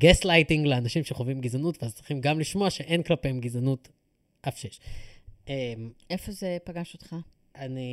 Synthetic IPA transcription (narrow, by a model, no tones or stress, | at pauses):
ɡeslajtiŋɡleanaʃimʃeχovimɡizanutveazt͡sʁ̥iχimɡamliʃmoaʃeʔenklape̞emɡizanut | afʃeʃ | emʔefozepaɡaʃot̪χa | ʔani